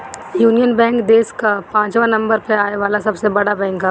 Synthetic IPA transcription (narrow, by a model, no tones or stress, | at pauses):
juːnijənbɛ̃ːŋkd̪eːskapãːt͡ʃʋãnɐ̃mbəɾpeaːeʋaːlasɐbsebɐɽabɛ̃ːŋka